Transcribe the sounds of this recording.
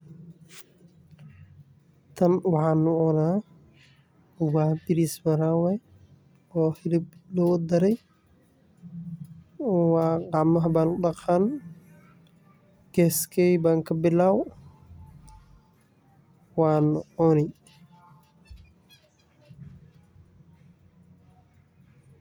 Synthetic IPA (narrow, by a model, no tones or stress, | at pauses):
t̪ʰɐnwɑħaːnːʊʔɔnaː | waːtɪɾismɐɾaːwɛ | ɔːhɪlɪblɔwɔd̪ɐɾɛj | waːɡɑʕmɐɦɐbaːnʊɗɑqaːn | ɡ̥ɛːskʰɛjbaːŋkʰɐbɪlːaːw | waːnɔnɛj